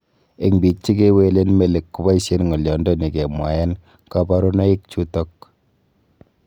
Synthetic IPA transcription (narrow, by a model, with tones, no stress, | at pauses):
e˨ŋbi˨t͡ʃːi˦ke˦we˨le˦nme˦le˨kːu˦ba˦i˦se˦nŋɔ˨ljɔ˨ndɔ˦ni˨ke˨mwa˨jɛ˦n | ka˦ba˦ɾu˦na˦i˦k̚t͡ʃu˦tɔ˦k